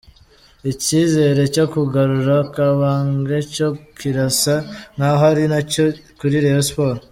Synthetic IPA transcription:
iciːze̞ːɾe̞co̞kuɡaɾuɾakaβaːŋɡeco̞kiɾasaŋ̥haɦaɾinacokuɾiɾejospoːɾo

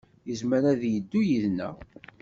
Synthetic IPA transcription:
jəzməɾaðjəd̪ːujiðnæ̰

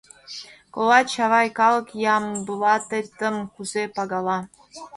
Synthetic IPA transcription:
kolɑt͡ɕɑvɑjkɑlˠɤkjɑmbulˠɑt̪et̪ə̆mxuzepɑɡɑlˠɑ

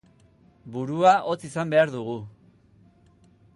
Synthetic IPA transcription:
buɾuaʔo̞t͡sisambe̞aɾðuɣ̞u

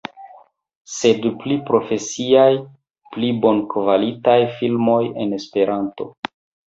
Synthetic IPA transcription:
se̞dplipɾo̞fe̞siaj | plibo̞nkvalitajfilmo̞je̞ne̞spe̞ɾanto̞̰

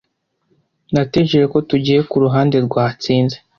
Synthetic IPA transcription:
nateʒeɾeko̞tuɟiːje̞kuɾuɦaːnde̞ɾɡwaːt͡siːnze

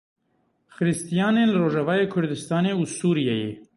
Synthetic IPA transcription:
xɨɾɨst̪ijɑːneːnlɨroːʒɛvɑːjeːkʰʊɾd̪ɨst̪ɑːneːusuːɾijɛjḛː

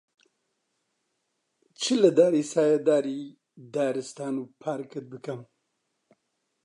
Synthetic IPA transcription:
t͡ʃʰɨlɨd̪aːɾiːsaːjad̪aːɾiː | d̪aːɾɨst̪aːnupʰaːɾkɨt̪̚bɨkɐm

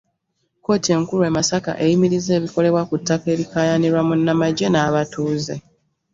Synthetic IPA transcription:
ko̞ːtie̞ŋkuɾuemasaka̰ʔe̞jimiɾize̞ːβiko̞le̞βwakutːake̞ːɾikaːjaniɾwamunːamaɟe̞naːβatuːze̞

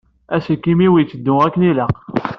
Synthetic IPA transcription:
æsəkːimiwit͡sːəd̪ːʊækːəniləq

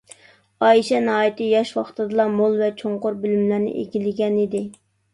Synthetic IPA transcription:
ɑjiʃɛnɑːjit̪ɪjɑʃwɑχt̪ɨd̪ɨlˠɑmolˠvɛt͡ʃʰoŋqoɾbølymlæɾnɪ̰ʔḛɡʲilɪɡʲɛnɪd̪ɪ

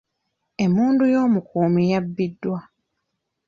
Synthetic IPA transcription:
e̞muːndujo̞ːmukuːmijabːidːwa

